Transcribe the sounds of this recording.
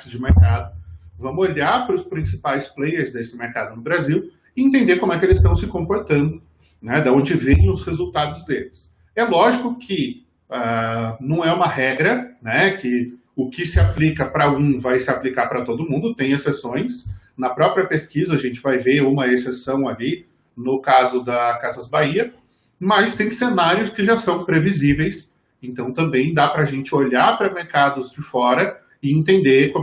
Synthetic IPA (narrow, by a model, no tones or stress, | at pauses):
kɪzd͡ʒɪmeɾkad̪ʊvɐ̃mʊoʎaɾpɾʊspɾĩsipajsplejeɾzd̪esɪmeɾkad̪ʊnʊbɾaziw | ɪẽnt̪ẽnd̪eɾkõmʊɛkɪelɪst̪ɐ̃w̃sɪkõkoɾt̪ɐ̃nd̪ʊ | nɛd̪ɐõnd͡ʒɪvẽj̃ʊshezuwt̪ad̪ʊzd̪elɪs | ɛlɔʒikʊkʰɪ | anɐ̃w̃ɛũmɐhɛɡɾɐnɛkɪ | ʊkɪsɪaplikɐpɾɐɡũvajsɪaplikaɾpɾɐt̪od̪ʊmũnd̪ʊt̪ẽj̃esesõj̃s | nɐpɾɔpɾiɐpeskizɐːʒẽnt͡ʃɪvajveũmɐesesɐ̃w̃ali | nʊkazʊd̪ɐkazɐzbaiɐ | mɐst̪ẽj̃senaɾjʊskɪʒasɐ̃w̃pɾevizivejs | ẽnt̪ɐ̃w̃t̪ɐ̃mbẽj̃d̪apɾɐʒẽnt͡ʃɪoʎaɾpɾɐmeɾkad̪ʊzd͡ʒɪfɔɾɐ | ɪẽnt̪ẽnd̪ekõ